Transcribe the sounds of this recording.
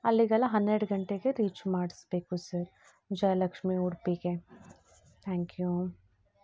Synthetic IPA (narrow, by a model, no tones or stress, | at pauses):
ɐlːiɡɐlaɦɐnɾeɽɡʱɐɳʈekeɾiːt͡ʃmaːʈsbeːkusɐɾ | d͡ʒɐjlɐkʃmiuːɽpike | t̪ʰɛ̃ːŋkjuː